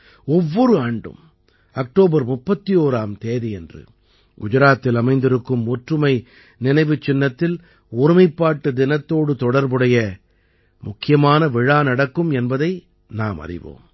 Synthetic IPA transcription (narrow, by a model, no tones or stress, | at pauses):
ɔʋːɔɾɯaːɳɖɯ̰m | ɐk̚ʈoːbɐɾmʊpːɐt̪ːijoːɾaːmt̪eːðɐjɛndrɯ̰ | ɡʊd͡ʒɐɾaːt̪ːɪlɐmɐɪnd̪ɪɾɯkːɯmɔʈrɯmɐɪ | nɪnɐɪʋɯt͡ʃːɪnːɐt̪ːɪl | ʊɾɪmɐɪpːaːʈːɯd̪ɪnɐt̪ːoːɽɯt̪ɔɽɐɾbɯɽɐjɐ | mʊkːɪjɐmaːnɐʋɪɻaːnɐɽɐkːɯmɛnbɐðɐɪ | naːmɐ̰rɪ̰ʋo̰ːm